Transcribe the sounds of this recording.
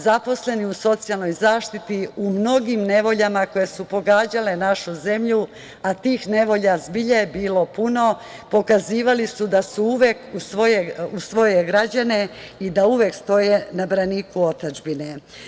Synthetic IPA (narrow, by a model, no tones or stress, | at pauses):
zapo̞sle̞niuso̞t̪sijalˠno̞jzaːʃt̪it̪iumno̞ɡimne̞ʋo̞ʎamako̞je̞supo̞ɡaːd͡ʑale̞naʃuze̞mʎu | at̪iːxne̞ʋo̞ʎazbiʎeebiːlo̞puno̞ | po̞kaziːʋalisud̪asuuʋe̞kusʋo̞jeusʋo̞je̞ɡɾad͡ʑane̞ | id̪auʋje̞kst̪o̞je̞nabɾaniːkuo̞t̪ad͡ʒbine